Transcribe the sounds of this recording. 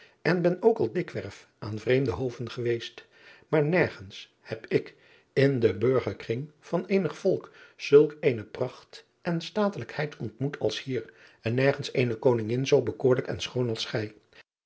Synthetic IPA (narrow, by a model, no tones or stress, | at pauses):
ɛnbɛnowkɑlˠdɪkʋɛɹf | ʔaːnvrejmdəɦowvənχəʋejst | maːɹnɛɹχəns | hɛpɪk | ɪndəbɵɹχəɹkrɪŋv̥ɑnejnəχfɔlˠkz̥ɵlˠkejnəprɑχt | ʔɛnstaːtələkhɛjtʰɔntmutʰɑ̰lˠshiːɹ | ɛnːɛɹχənsejnəkownɪŋɪnzowbəkʊːɹləkɛ̰nsχownɑlˠsχɛj